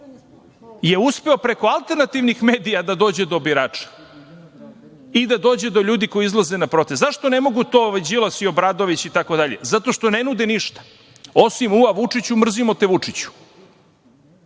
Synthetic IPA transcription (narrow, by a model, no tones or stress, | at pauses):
je̞uspe̞opɾe̞ko̞alˠt̪eɾnat̪iʋnixmeːd̪ijad̪ad̪o̞ːd͡ʑed̪o̞biɾaːt͡ʂḁ | id̪ad̪o̞ːd͡ʑed̪o̞ʎuːd̪iko̞iizlˠaze̞napɾo̞t̪eszaʃt̪o̞ne̞mo̞ɡut̪o̞ːoʋed͡ʑilat̪sio̞bɾad̪o̞ʋit͡ɕit̪ako̞d̪aʎe̞̰zat̪o̞ʃt̪onenud̪eniʃt̪ḁ | osimuaʋut͡ʂit͡ɕumr̩zimo̞t̪eʋut͡ʂit͡ɕu̥